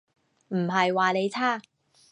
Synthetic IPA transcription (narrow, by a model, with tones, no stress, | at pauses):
m̩˨˩ɦɐ˨jwaː˨ne˨˧jt͡sʰaː˥